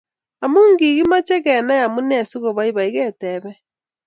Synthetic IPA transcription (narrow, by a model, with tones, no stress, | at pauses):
a˨muː˦ŋɡi˨ɣi˦ma˦t͡ʃe˦ɣɛ˨na˦ja˨mu˦nɛ˦˨su˦ɣo˨βa˦i˦βa˨i˦ɣɛ˦tɛ˨βɛ˦